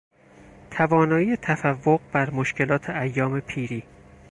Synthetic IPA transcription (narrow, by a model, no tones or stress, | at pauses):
t̪ʰævɒːnɒːjiːjet̪ʰæfævːoɣbæɾmoʃkʰe̞lɒːt̪ʰeæjːɒːmepʰiːɾiː